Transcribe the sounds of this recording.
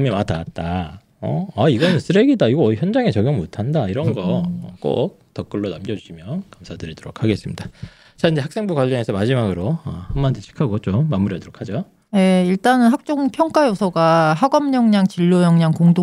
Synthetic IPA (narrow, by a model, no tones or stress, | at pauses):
ɯmimataat̚t͈a | ʌ̰aiɡʌnɯnsʰɯɾe̞ɡidaiɡʌʌiçjʌnd͡ʑaŋet͡ɕʌɡjʌmmotʰandaiɾʌnɡʌʌk͈o̰k̚tʌk͈ɯɭːonamɡjʌd͡ʑuɕʰimjʌkamsʰadɯɾidoɾokʰaɡe̞s͈ɯmɲid̥a | t͡ɕaind͡ʑe̞aks͈e̞ŋbukwaʎːʌŋe̞sʰʌmad͡ʑimaɡɯɾoʌ̰hammʌndɯt͡ɕʰi̥kʰaɡoɦʌt̚t͡ɕ͈omamuɾiɦadoɾokʰad͡ʑo | je̞iɭt͈anɯnɦak̚t͡ɕ͈oŋpʰjʌŋk͈ajosʰʌɡaɦaɡʌmɲʌŋɲaŋt͡ɕiɭːojʌŋɲaŋkoŋdo